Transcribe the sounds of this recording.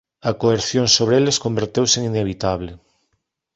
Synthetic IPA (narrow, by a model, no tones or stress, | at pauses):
akoeɾθjoŋsoβ̞ɾeeleskombeɾt̪ewseŋineβ̞it̪aβle